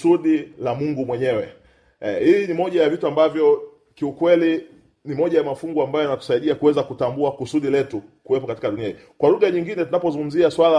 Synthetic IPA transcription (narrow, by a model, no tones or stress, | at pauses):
suɗilamuŋɡumwɛɲɛwɛ | hinimɔʄajavituambavjɔ | kiukwɛli | nimɔʄajamafuŋɡuambajɔjanatu̥saiɗiakuwɛzakutambuakusuɗilɛtukuwɛpɔkatikaɗuniaḭ | kwaluɣaɲiŋɡinɛtunapɔzuŋɡum̩ziaswala